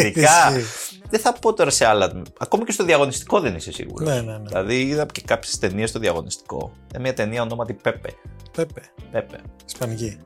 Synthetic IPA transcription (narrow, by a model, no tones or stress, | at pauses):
iɐiðeθɐpo̞t̪o̞ɾɐseɐlɐmɐko̞mɐcest̪o̞ðiɐɣo̞nist̪i̥ko̞ðenisesḭɣṵɾoenenilɐðiiðɐcekɐpçe̥st̪e̞nie̞st̪o̞ðiɐɣo̞̰nist̪i̥ko̞̰it̪ɐmɲɐt̪e̞niɐono̞mɐt̪ipepḛpepepepḛispɐnʝi